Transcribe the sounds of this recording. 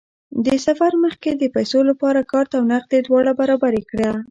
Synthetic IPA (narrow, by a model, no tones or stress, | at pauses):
d̪əsafaɾməxked̪əpajsolapɑɾakɑɾt̪awnaq̚d̪ed̪wɑɽabaɾɑbaɾekɽa